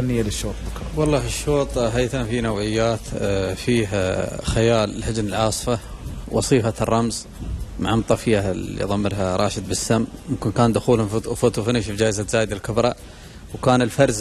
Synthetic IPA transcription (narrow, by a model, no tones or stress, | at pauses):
anːɪjːalɪʃːoːt̪ˤbʊkˤ | wɑlˤːɑːhɪʃːoːt̪ˤɦajt̪anfinawʕɪjːaːt̪fiːɦxajaːllhɪd͡ʒnɪlʕɑːsˤfawʔɑ̰sˤiːfarˤːɑmz | ma̰ʕamt̪ˤɑfjaḭðˤɑmːɪɾɦaɾˤɑːʃɪd̪̚bɪsːamːmʊmkɪnkaːnd̪ʊxuːlfʊt̪ufɪnɪʃfd͡ʒaːʔɪzat̪z̥aːjd̪alkɪbɾˤɑ | wkaːnɪlfɑɾˤz